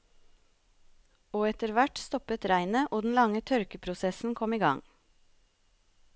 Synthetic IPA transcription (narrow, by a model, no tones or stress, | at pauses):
oːɛt̪əɾʋæʈst̪ɔpət̪ɾæɪnəʔoːd̪n̩lɑŋət̪ʰœɾkəpʰɾʊsɛsn̩kʰɔmiːɡɑ̰ŋ